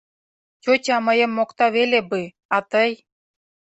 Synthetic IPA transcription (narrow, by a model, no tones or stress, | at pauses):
t͡ɕʲotʲɑmɤ̆jə̆mːokt̪ɑβelʲebɯ | ɑt̪əj